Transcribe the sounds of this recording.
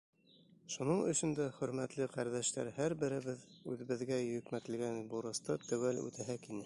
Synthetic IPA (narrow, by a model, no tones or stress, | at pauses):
ʃunɤɴɵ̆ɕɵ̆nd̪æχɵ̆ɾmæt̪lɘqæɾðæʃt̪æ̰ɾhæɾbɘ̆ɾɘ̆βɘðʉðɘ̆βɘ̆ðɡæjɵ̆kmæt̪ɘ̆lɡænbuɾɤ̆st̪ɤt̪æwælʉ̰t̪æɦækinɘ